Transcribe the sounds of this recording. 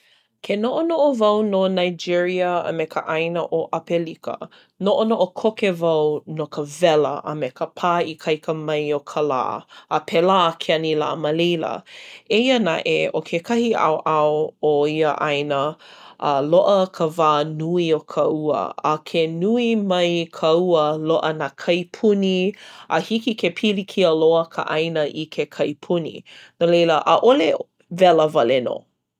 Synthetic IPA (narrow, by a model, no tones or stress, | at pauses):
kʰenoʔonoʔovɐwnonajd͡ʒiɹiəɐ̰mɛkʰəʔajnəʔoʔɐpelikə̰ | noʔonoʔokʰokevɐwnokəvɛlə̰ʔə̰mɛkəpʰaːikʰɐjkəmɐjokʰəla̰ːpʰelaːkʰeɐnila̰ːməlejlə̰eiəna̰ʔeokʰekʰɐhiʔa̰wʔaooiəʔajnəʔəloʔəkʰəvaːnuiokʰəuə̰ʔə̰kʰenuimɐjkʰəuəloʔənaːkʰɐjpʰuniəhikikʰepʰilikʰiəloəkʰə̰ʔɐjnəʔikʰekʰɐjpʰunḭnolejləʔəʔole | vɛləvɐleno̰